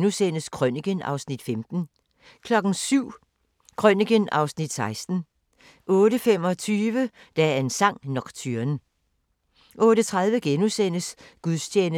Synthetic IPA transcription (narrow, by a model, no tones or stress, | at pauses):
nusen̰əskʰʁœniɡ̥ənɑ̈ʊsnid̥femd̥n̩ | kʰlɒ̽ɡ̥n̩syʊ̰ | kʰʁœniɡ̥ənɑ̈ʊsnid̥sɑ̈ɪsd̥n̩ | ʔɔ̽ːɾəfem̰ɒ̽t͡sʰyːʋə | d̥ææɐe̝nsɑ̈ŋ̰nɒ̽ɡ̥t͡sʰyɐn | ʔɔ̽ːɾət͡sʰʁaðˠʋəɡ̥enusen̰əsɡ̥uðˠst͡ɕʰeːnə